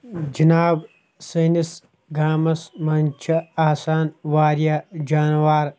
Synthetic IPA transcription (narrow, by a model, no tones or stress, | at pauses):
d͡ʒinaːb | sɐnis | ɡʱaːmɐsmɐnt͡ʃʰɐaːsaːnʋaːɾjad͡ʒaːnʋaːɾ